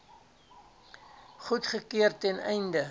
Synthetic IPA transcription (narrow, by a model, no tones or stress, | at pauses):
χutχəkiərtɛnɛ̰jndə